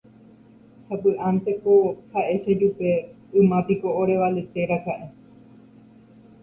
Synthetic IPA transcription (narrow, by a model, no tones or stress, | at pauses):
hapɨʔãnt̪ekohaʔeʃed͡ʒupe | ɨmãpikooɾeʋalet̪eɾakaʔe